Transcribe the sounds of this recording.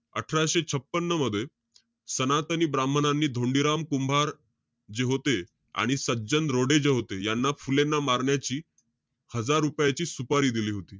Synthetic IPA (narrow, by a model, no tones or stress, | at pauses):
ə̰ʈʰɾaɕet͡ɕʰəpːənːəməd̪ʱːje | sənat̪əniːbɾambʱənanːiːd̪ʱoɳɖiɾamkumbʱaɾ | d͡ʑeɦot̪e | a̰ɽ̃isəd͡ʑənd̪ɾoɽed͡ʑeɦot̪ejanːafulenːamaɾɳjat͡ɕiː | həd͡zaɾːupjat͡ɕiːsupaɾiːd̪iliːɦot̪iː